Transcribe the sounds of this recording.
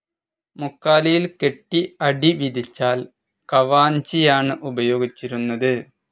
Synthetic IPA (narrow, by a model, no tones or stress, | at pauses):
mukːaːlɐjilke̞ʈːiɐɽiʋid̪ʱit͡ɕːaːl | kɐʋaːnt͡ɕijaːɳɨʔubɐjo̞ːɡit͡ɕːiɾunːɐðɨ